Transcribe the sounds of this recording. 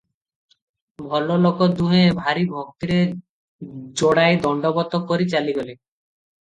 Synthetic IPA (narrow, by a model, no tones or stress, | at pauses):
bʱɔlolokod̪uɦebʱaɾibʱok̚t̪iɾe | d͡ʑoɽaed̪ɔɳɖobɔt̪okoɾit͡ɕaliɡole